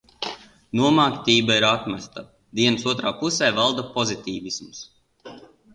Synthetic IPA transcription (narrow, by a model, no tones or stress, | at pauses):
nuɔmaːkt̪ʲiːbaiɾat̪masʲt̪a | d̪iɛnsuɔt̪ɾaːpusɛːvalˠd̪apɔzit̪ʲiːvisms